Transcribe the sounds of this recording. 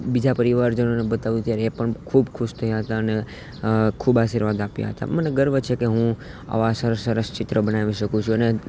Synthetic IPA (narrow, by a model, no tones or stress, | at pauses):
bid͡ʒapəɾiʋaɾd͡ʒənonebət̪aʋjũt̪jaɾeːpəɳkʰubkʰuʃt̪ʰəjaɦət̪aəne | kʰubaʃiɾʋad̪apja̰ɦət̪a̰məneɡəɾʋət͡ʃʰekeɦũ | a̰ʋasəɾəsːəɾəst͡ʃɪt̪ɾəbənaʋiʃəkũt͡ʃʰũəne